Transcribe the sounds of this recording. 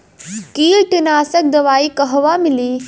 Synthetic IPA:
kiːlʈɪnaːsək̚d̪ɐʋaːikɐɦʋamɪliː

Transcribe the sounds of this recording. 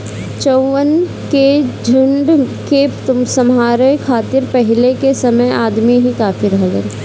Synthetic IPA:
t͡ʃɔwən | ked͡ʒʱʊɳɖket̪ʊmsɐmɦaːɾekʰaːt̪ɪɾpɛɦɪlekesɐməjaːd̪miɦikaːfiɾɐɦɡə̰ɾ

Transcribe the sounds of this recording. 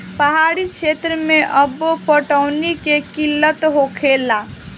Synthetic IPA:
pəɦaɾit͡ʃʰet̪ɾəmeʔəbːopəʈəʊnikekilːət̪ɦokʰela

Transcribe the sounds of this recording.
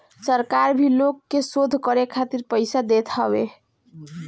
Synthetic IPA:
səɾkaɾbʱilokːesod̪ʱkʌɾekʰat̪iɾpəjsad̪et̪ʰʌbe

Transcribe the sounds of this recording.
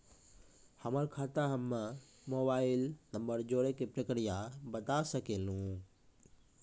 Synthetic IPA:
hɐməɾkʰaːt̪aɦəmːə | moːbaːɪlnəmbəɾd͡ʒoːɽekepɾəkɾijabɐt̪asəkelũː

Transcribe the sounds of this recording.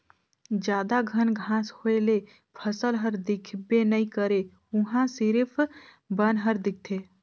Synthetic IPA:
d͡ʒjad̪aɡʱənɡʱãshoele | pʰəsəlɦəɾd̪ikʰbenəikəɾe | uɦãsɪɾpʰ | bənɦəɾd̪ɪk̚ʰt̪ʰe

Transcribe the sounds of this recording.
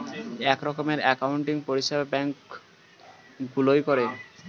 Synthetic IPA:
ɛkɾɔkomeɾɛkauɳʈiŋpoɾiʃebabɛŋk | ɡulojkoɾe

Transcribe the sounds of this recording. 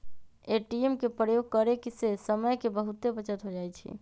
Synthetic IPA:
eʈiemkepɾəjoɡ̚kəɾekisesəməjkebəɦut̪ːebət͡ʃət̪ɦod͡ʒaːjt͡ʃʰḭ

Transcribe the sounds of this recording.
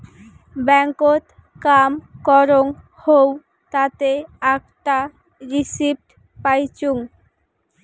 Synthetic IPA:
bɛŋkot̪ | kamkɔɾoŋ | how | t̪at̪eak̚ʈ̪a | ɾisib̚ʈ | pajt͡ɕuŋ

